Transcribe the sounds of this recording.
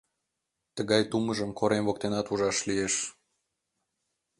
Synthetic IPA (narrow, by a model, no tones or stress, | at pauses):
t̪əɣɑjt̪uməʒə̆mkʰoɾemvok̚t̪enɑt̪uʒɑʃlijeʃ